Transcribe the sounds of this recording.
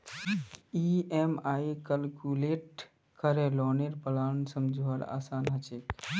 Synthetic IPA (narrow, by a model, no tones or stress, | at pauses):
iemaikəlkuleʈ | kəɾɛlɔneɾpəlansəmd͡ʒʱuəɽa̰sanɦət͡ʃek